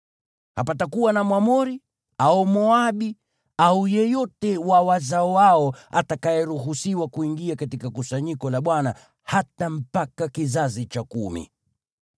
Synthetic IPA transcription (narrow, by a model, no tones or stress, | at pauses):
hapatakuwanamwamɔɾi | aɔmɔaɓi | aujɛjɔtɛwawazaɔwaɔa̰takajɛɾuɦusiwakuiŋɡiakatikakusaɲikɔlaɓwana | hatam̩pakakizazit͡ʃakumḭ